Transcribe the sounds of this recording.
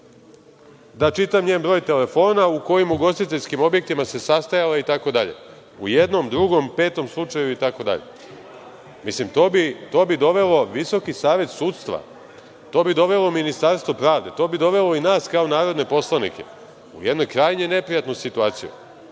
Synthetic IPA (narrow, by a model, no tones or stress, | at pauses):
d̪at͡ʃit̪amɲeːnbɾo̞ːjt̪e̞le̞fo̞ːnauko̞jimuɡo̞st̪it̪eʎʲskimo̞bje̞k̚t̪imase̞sast̪ajalait̪ako̞d̪aʎe̞̰ | ujed̪no̞md̪ɾuɡo̞mpe̞ːt̪o̞mslˠut͡ʂajuit̪ako̞d̪a̰ʎe̞̰ | mislimt̪obit̪o̞ːbid̪o̞ʋe̞lo̞ʋiso̞kisaːʋe̞t̪suːt̪st̪ʋa̰ | t̪o̞ːbid̪o̞ʋe̞lo̞minist̪aɾst̪ʋopɾaːʋd̪e̞t̪o̞ːbid̪o̞ʋe̞lo̞inaːskaonaːɾo̞d̪ne̞po̞slˠanḭke̞̰ | ṵje̞d̪no̞jkɾaːjɲene̞pɾijat̪nusit̪uaːt̪sijṵ